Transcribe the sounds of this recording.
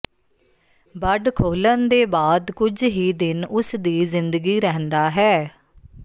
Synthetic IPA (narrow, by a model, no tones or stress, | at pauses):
bəɖkʰoːlənd̪eːbaːd̪kʊd͡ʒɦiːd̪ɪnʊsd̪iːzɪnd̪əɡiːɾɛɦnd̪aːɦɛː